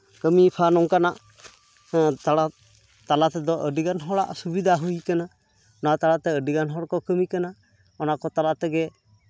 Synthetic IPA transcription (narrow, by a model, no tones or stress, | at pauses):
kəmipʰanɔŋkanaʔ | t̪aɽa | t̪alat̪ɛd̪ɔʔəɖiɡanɦɔɽa̰ʔsubid̪ʱaɦujkana | ɔnat̪alat̪ɛəɖiɡanɦɔɽkɔkəmikana | ɔnaʔkɔt̪alat̪ɛɡɛ